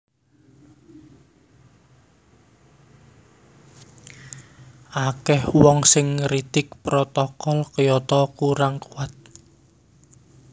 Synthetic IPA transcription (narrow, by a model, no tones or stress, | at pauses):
ʔakɛhwɔŋsɪŋɾit̪ɪk̚pɾɔt̪ɔkɔlkəjɔt̪ɔkuɾaŋkuwat̪̚